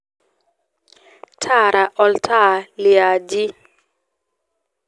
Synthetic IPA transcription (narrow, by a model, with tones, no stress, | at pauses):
tʰa˦˨ɾʔa˨ʔɔ˨ltʰa˦lɪ˨a˨d͡ʒi˦